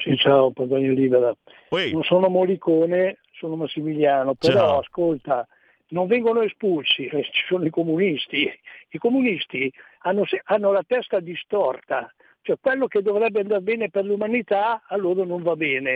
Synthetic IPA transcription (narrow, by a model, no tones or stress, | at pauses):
sit͡ʃaːopazaɲːoliːbeɾa | nonsoːnomolikoːne | soːnomasːimiljaːnopeɾɔaskolt̪a | noɱvɛŋɡonoespulsit͡ʃi̥soːnoikomunist̪iikomunist̪i | anːosɛanːolat̪ɛst̪ad̪ist̪ɔrt̪a | t͡ʃoɛkwɛlːoked̪ːovɾɛbːeand̪arbɛːneperlumanit̪aalːoːɾonoɱvabɛːne